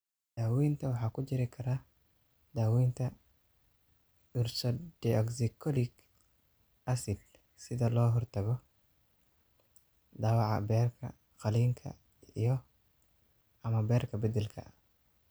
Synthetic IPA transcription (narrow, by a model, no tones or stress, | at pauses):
d̪̥aːwiːnt̪ʰɐwɑħɑːkʰʊt͡ʃɪɾɪkʰɐɾa | d̪̥aːwiːnt̪ʰɐ | ʊrsɔdɛɔksɪkʰɔlɪɡ | ʔɐsɪd̪ | sɪðɐlɔːɦɔrt̪ʰɐɣɔ | d̪ɑːwɑʕɑ̰bɛːrkʰɐ̰ | qɑliːŋkʰɐ̰ | ijɞ | ɐmɐbɛːrkʰɐbɐd̪ɛlkʰɐ̰